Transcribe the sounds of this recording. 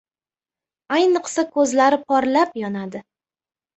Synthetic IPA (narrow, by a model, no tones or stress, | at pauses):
ajnɨqsakʰɵzlaɾɪpʰɒɾlapjɒnad̪ɪ